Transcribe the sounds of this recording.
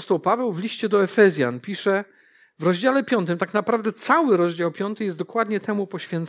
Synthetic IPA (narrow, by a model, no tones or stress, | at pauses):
ɔst̪ɔwpavɛwvlʲiɕt͡ɕɛd̪ɔɛfɛzʲja̰npʲiʂɛ | vɾɔʑd͡ʑalɛpʲjɔnt̪ɘmt̪aknapɾavd̪ɛt̪sawɘɾɔʑd͡ʑawpʲjɔnt̪ɘjɛsd̪ɔkwad̪ɲɛt̪ɛmupɔɕfʲjɛnt̪s